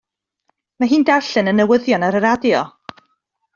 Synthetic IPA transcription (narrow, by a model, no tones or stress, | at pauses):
maɦiːndarɬɨnənːəwəðjɔnaɾəɾadjɔ